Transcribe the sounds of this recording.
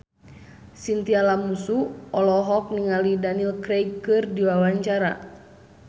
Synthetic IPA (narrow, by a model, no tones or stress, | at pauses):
sint̪ialamusuɔlɔɦɔk̚niŋalidanilkɾekɨrdiwawaɲt͡ʃaɾa̰